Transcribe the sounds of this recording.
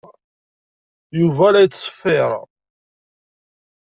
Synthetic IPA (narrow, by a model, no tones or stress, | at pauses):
juvæɾæjt͡sːˤə̥fːɪɾˤ